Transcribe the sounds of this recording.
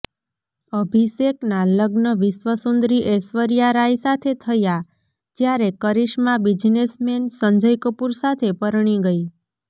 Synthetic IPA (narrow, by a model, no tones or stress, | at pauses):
əbʱiʃeknaləɡnəʋisʋəsund̪ɾiʔesʋəɾjaɾaisat̪ʰet̪ʰəja | d͡ʒjaɾekəɾiʃmãbid͡ʒnesmensə̃ɲd͡ʒəjkəpuɾsat̪ʰepəɾɳ̃iɡəi